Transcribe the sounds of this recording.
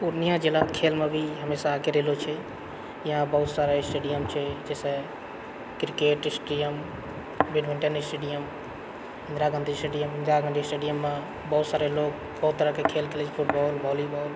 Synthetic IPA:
puɾnijãd͡ʒelat̪kʰelmebʱiɦəmesaːkeɾeɦlot͡ʃʰɛ | jəɦãbəɦut̪saɾeɪsʈeɖijəmt͡ʃʰɛd͡ʒesẽ | kɾikeʈɪsʈijəm | biɖʋiɳʈənisʈeɖijəm | ɦɪnd̪ɾaɡə̃nd̪ʱisʈeɖijəmɦɪ̃nd̪ɾaɡə̃nd̪isʈeɖijəmːe | bəɦut̪saɾelok̚ | bəɦut̪ːəɾəkekʰelkʰelet͡ʃʰpʰuʈbɔlbʱɔlibɔl

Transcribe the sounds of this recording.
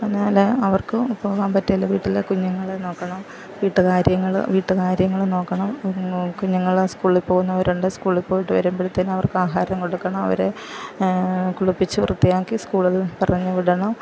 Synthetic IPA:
ɐnːaːleɐʋɐrkɨpːoːɣaːmpɐtːɐjilːɐʋiːʈːilekuɲːɐŋːɐɭno̞ːkːɐɳɐm | ʋiːʈːɨkaːɾjɐŋːɐɭ̰ʋiːʈːɨkaːɾjɐŋːɐɭno̞ːkːɐɳɐmkuɲːɐŋːɐɭskuːɭilpo̞ːɣunːɐʋɐɾuɳɖɨskuːɭilpoːjiʈːɨʋɐ̰ɾumbiɽt̪ːɐnɐʋɐrkɨaːɦaːɾɐmko̞ɽukːɐɳɐmɐ̰ʋɐ̰ɾe | kuɭupːit͡ɕːɨrut̪ːijaːkːiskuːɭilpɐrɐɲːɨʋiɽɐɳɐm

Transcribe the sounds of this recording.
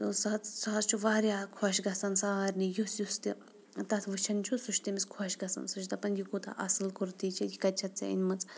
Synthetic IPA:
t̪ɨsɐɐt͡ssɐɦɐt͡st͡ʃʰuʋaːɾʲjaːkʰɔʃɡɐsɐnsaaːɾʲnijusjust̪i | t̪ɐt̪ʰʋɨt͡ʃʰɐnt͡ʃʰusuʃt̪imiskʰɔʃɡɐsɐ̰nsut͡ʃʰt̪ɐpɐnjikut̪ɐ̰ʔɐ̰sɨlkuɾt̪iːt͡ʃʰijikɐt̪̚ʲt͡ʃʰɐt̪t͡sɐ̰ḭnʲmɐt͡s

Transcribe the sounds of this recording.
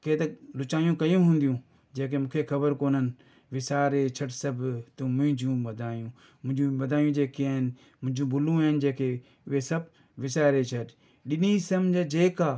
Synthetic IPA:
keːt̪ɐlʊt͡ʃaːjũkɐjũɦũːn̆d̪ijũː | d͡ʒeːk̬emũːkʰexɐbəɾkoːnən | ʋɪsaːɾet͡ʃʰɐɖsɐbt̪umʊ̃ɦɪ̃ɲd͡ʑũːɐd̪ʱaːjũː | mʊ̃ɪ̃d͡ʒũʋɐd̪ʱaːjũːd͡ʒeːkeaːɦɪn | mʊ̃ɦɪ̃d͡ʒũːbʱʊlũaːɦɪnd͡ʒẽːkʰe | ʊɦesɐb̚ | ʋɪsaːɾet͡ʃʰɐɗ | ɗɪnisɐmd͡ʒed͡ʒeːkaː

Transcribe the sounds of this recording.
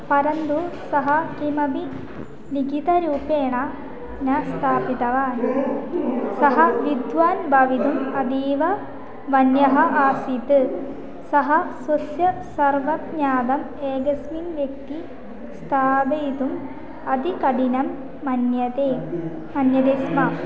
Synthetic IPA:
pɐɾɐnd̪usɐɦɐkimɐbi | liɡʱit̪ɐɾuːpeːɳɐ | nɐst̪ʰaːpit̪ɐʋaːn | sɐɦɐʋid̪ʋaːnbʱɐʋid̪umɐd̪iːʋɐ | ʋɐnjɐɦɐʔaːsit̪ɨ | sɐɦɐsɐsjɐsɐrʋɐt̪ɲaːd̪ɐm | eːɡɐsminʋjek̚t̪i | st̪ʰaːb̪ɐjt̪um | ɐd̪ikɐɖinɐmː | ɐnjɐt̪eː | mɐnjɐd̪eːsmɐ

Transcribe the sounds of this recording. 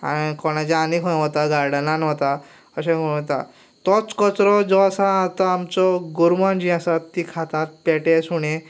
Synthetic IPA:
akɔɽ̃ad͡ʑianikʰõɦɔt̪aɡaɾɽanãnɦɔt̪a | əɕẽkot̪a̰ | t̪ɔt͡skɔt͡sɾɔd͡zɔasaːt̪aːmt͡sɔɡuɾmand͡ʑĩasat̪ːikʰat̪at̪̚pɛʈesuɽ̃e

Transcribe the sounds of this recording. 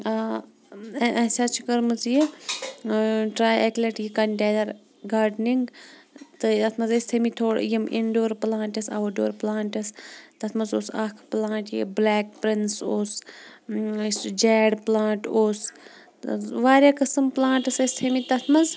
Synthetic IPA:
ʔɐsaːt͡ʃʰikəɾmɨzji | ʈɾaːjeklɐʈjikɐɳʈʲeːd̪ɐɾ | ɡaːɾɖniŋɡt̪ɨt̪ɐt̪ʰmɐzɐst̪ʰemit̪ʰoːɽ̰jimʔiɳɖoːɾplãːɳʈɐsɐ̰ʋɐɖoːɾplaːɳʈɐst̪ɐt̪ʰmɐzoːsɐkʰplãːɳʈjḭblɛːk̚pɾinsoːs | sd͡ʒɛːɽplaːɳʈoːs | ʋaːɾʲaːkɐsɨmplaːɳʈɐsɐst̪ʰemit̪ɐt̪ʰmɐz

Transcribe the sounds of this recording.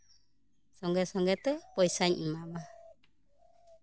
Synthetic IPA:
sɔŋɡɛsɔŋɡɛt̪ɛpɔjsaɲ̩mama

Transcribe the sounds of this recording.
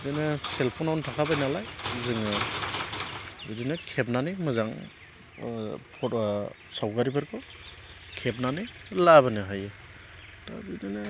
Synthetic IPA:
bdɯnɯselpʰonawntʰakʰabajnalajzɯŋɯ | bidɯnɯkʰep̚nanɯmɯzaŋ | pʰɔ | sawɡaɾibʰɯɾkʰɔ | kʰep̚nanɯlabɯnɯɦajɯ | ta̰bidɯnɯ

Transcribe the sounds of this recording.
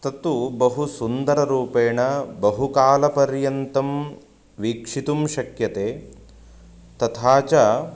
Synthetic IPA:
t̪ɐt̪ubɐɦusund̪ɐɾɐɾuːpeːɳɐbɐɦukaːlɐpɐɾjɐnt̪ɐm | ʋiːkʂit̪umʃɐkjɐt̪eː | t̪ɐt̪ʰaːt͡ʃɐ

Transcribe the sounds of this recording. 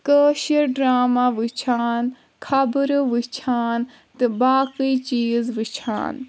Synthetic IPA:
kəːʃɐɾɖɾaːmaʋɨt͡ʃʰaːn | kʰɐbəɾʋɨt͡ʃʰaːn | t̪ɨbaːkɨit͡ʃiːzʋɨt͡ʃʰa̰ːn

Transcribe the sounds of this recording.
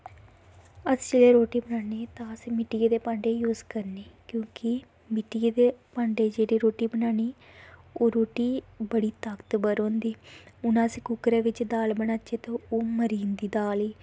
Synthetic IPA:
əsd͡ʒeːleːɾoːʈiːbənaːneːt̪ãːəsmɪʈieːd̪eːpãːɳɖeːjuːzkəɾneːkjõːkɪ | mɪʈieːd̪eːpãːɳɖeːd͡ʒeːɽiːɾoːʈiːbənaːñiː | oːɾoːʈiːbəɽiːt̪akt̪bəɾɦõːnd̪iːʊnãːsekʊkɾẽːʋɪt͡ʃd̪aːlbənaːt͡ʃeːt̪õːoːməɾĩːnd̪iːd̪aːliː

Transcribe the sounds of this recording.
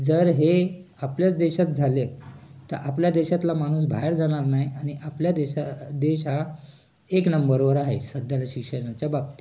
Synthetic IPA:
d͡zəɾɦe | apljat͡sd̪eɕat̪̚d͡zʱalet̪əɾʔapljad̪eɕat̪lamaɽ̃uːs̬bʱaɦeɾd͡zaɽ̃aɾnaɦiañiʔapljad̪eɕad̪eɕɦa | eknəmbəɾbəɾaɦḛsəd̪jalaɕikʂənat͡ɕjabab̚t̪i̥

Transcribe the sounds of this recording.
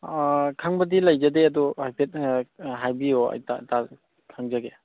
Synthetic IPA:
kʰaŋbɐdilajzadeaduhajpʰet̚ɦajbioa̰jta̰ta | kʰaŋzaɡe

